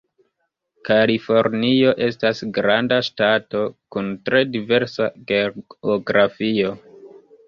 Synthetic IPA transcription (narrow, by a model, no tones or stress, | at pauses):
kalifo̞ɾnio̞ʔe̞stasɡɾandaʃtato̞kuntɾe̞dive̞ɾsaɡeoɡɾafio̞